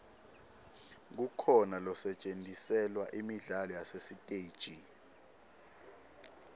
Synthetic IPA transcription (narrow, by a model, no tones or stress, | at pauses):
k̬ukʰɔnalɔsɛt͡ʃʼentʼisɛlwaʔimiɮalɔjasesitʼeːd̥ʒ̥ʱi